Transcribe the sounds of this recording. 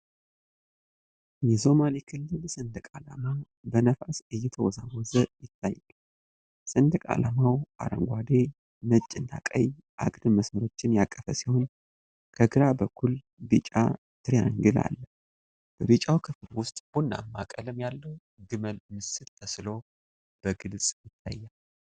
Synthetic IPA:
jɛso̞malikʰɨlːɨlsɨnd̪əkʼala̰ma | bənəfasɨjːɛt̪ʰəwɔzawɔzəjɪt̪ʰːajːɛl | sɨnd̪əkʼa̰lamawʔa̰ɾə̰ŋɡʷad̪e̞ | mət͡ʃʼːɪnːa̰kʼə̰j | ʔa̰ɡdɨməsməɾo̞t͡ʃːɪnjakʼːəfəsiho̞n | kʰəɡɨɾabəkʰːul | bit͡ʃʼa̰ | t̪ʰɨɾjaŋɡɨla̰lːə | b̥əβit͡ʃʼawkʰɨflwʊst̪ʼb̥unːa̰mːakʼəlɨmjalːəw | ɡɨməlmɨsɨt̪ʰːəslo | b̥əɡɨlsʼjɪt̪ʰːa̰jːal

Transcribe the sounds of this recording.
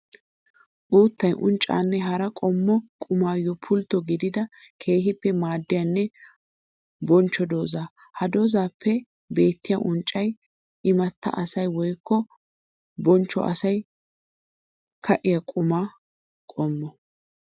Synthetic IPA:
ʔuːt̪ːɐjʔʊ̰nt͡ʃʼːa̰ːnːɛɦɐɾɐkʼɔmːɔkʼʊmaːjɔpʰʊlt̪ːɔɡɪd̪ɪd̪ɐkʰe̞ːɦɪpːɛmaːd̪ːɪjɐnːɛ | bɔnt͡ʃːɔd̪o̞ːzaː | hɐd̪o̞ːzaːpːɛ | be̞ːt̪ːɪjaʔʊnt͡ʃʼːɐj | ʔɪmɐt̪ːɐ̰ʔɐsɐjwɔjkːɔ | bɔnt͡ʃːɔ̰ʔɐ̰sɐj | kʰɐʔɪjɐkʼʊmaː | kʼɔmːɔ

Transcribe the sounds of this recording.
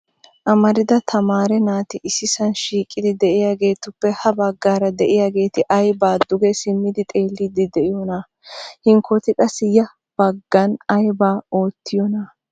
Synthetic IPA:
ʔɐmɐɾɪd̪ɐt̪ʰɐmaːɾɛnaːt̪ɪʔɪsɪsɐnʃiːkʼːɪd̪ɪd̪ɛʔɪjaːɡe̞ːt̪ʊpːɛhɐbɐɡːaːɾɐd̪ɛʔɪjaːɡe̞ːt̪ɪʔɐjbaːd̪ʊɡɛsɪmːɪd̪ɪt̪ʼe̞ːlːɪd̪ɪd̪ɛʔɪjɔna | hɪŋkʰɔt̪ɪkʼɐsːɪjɐ | b̥ɐɡːɐnɐjbaːo̞ːt̪ːɪjɔnɐ

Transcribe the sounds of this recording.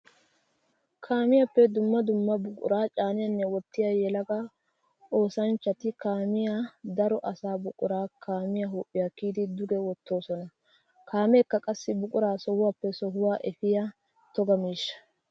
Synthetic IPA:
kʰaːmɪjapːɛd̪ʊmːɐd̪ʊmːɐbʊkʼʊ̰ɾaːt͡ʃʼaːnɪjɐnːɛwɔt̪ːɪjajɛlɐɡɐ | oːsɐnt͡ʃːɐt̪ɪkaːmɪjad̪ɐɾɔʔɐsaːbʊkʼʊɾaːkʰaːmɪjɐɦoːʔʼːɪjakiːd̪ɪd̪ʊɡɛwɔt̪ːo̞ːsɔnɐ | kaːmɛːkːɐkʼɐsːɪbʊkʼʊɾaːsɔhʊwaːpːɛsɔɦʊwaːʔɛfɪja | t̪ɔɡɐmiːʃːɐ̥

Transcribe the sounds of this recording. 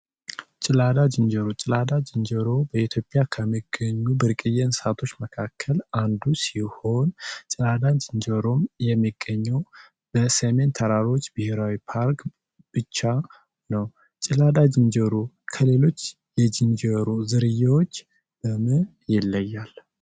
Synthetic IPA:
t͡ʃʼɪlad̪ad͡ʒɨnd͡ʒəɾot͡ʃʼɪlad̪ad͡ʒɨnd͡ʒəɾobəit̪ʰjo̞pʼːjakʰəmːiɡəɲːubɨɾkʼɨjɛnsat̪ʰo̞t͡ʃːməkʰakʰːəland̪usiho̞nt͡ʃʼɪlad̪ad͡ʒɨnd͡ʒəɾo̞mjɛmːiɡːəɲːɛw | bəsəme̞nt̪ʰəɾaɾo̞t͡ʃːbɨheɾawipʰaɾk | b̥ɨt͡ʃːa | nəw | t͡ʃʼɪlad̪ad͡ʒɨnd͡ʒəɾo | kʰəle̞lo̞t͡ʃː | jɛd͡ʒɨnd͡ʒəɾuzɨɾɨjːawot͡ʃː | bəmɨ | jɪlːəjːal

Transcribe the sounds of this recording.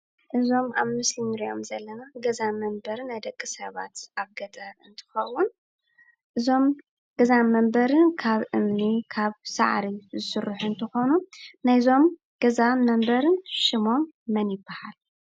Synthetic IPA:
ʔɨzo̞maβmɨslimɨɾijo̞̰mzɐlːɐnaɡɐzamɐmbɐɾnajd̪ɐkʼːɨsɐβa̰t̪ʔaβɡɐt̪ʼɐɾɨnt̪ʰɨ̥xɐwun | ʔɨzo̞m | ɡ̥ɐzamɐmbɐɾɨnkʰaβʔɨmnikʰaβsa̰ʕɾizɨsɨrːuħuɨnt̪ʰɨxo̞nunajzo̞m | ɡ̥ɐzamɐmbɐɾɨnʃɪmo̞mːɐnjɪbːahal

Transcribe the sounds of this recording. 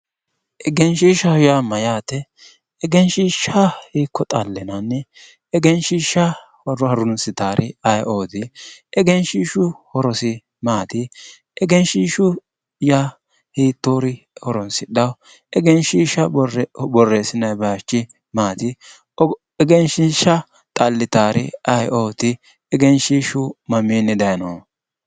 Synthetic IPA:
ʔɛɡɛnʃiːʃɐhʊjamɐjaːt̪ːɛː | ɡɛnʃiːʃahiːkːɔt̪ʼalːɛnanːɛ | ɛɡɛnʃiːʃɐ | hɔɾhɐɾʊnsɪt̪aːɾʔɪɐjʔoːd̪ɪɛɡɛnʃiːʃʊhɔɾɔsɪ | maːt̪ɪ | ɛɡɛnʃiːʃʊ | ja | hiːt̪ːoːɾɪ | hɔɾɔnsɪɗɐw | ɛɡɛnʃiːʃɐbɔrːeːsɪnɐjbɐt͡ʃːɪ | maːt̪ɪ | ɛɡɛnʃiʃɐ | t̪ʼɐlːɪt̪aːɾɪ̰ɐjʔoːt̪ɪ | ɛɡɛnʃiːʃʊmɐmiːnːɪd̪ɐjnoː

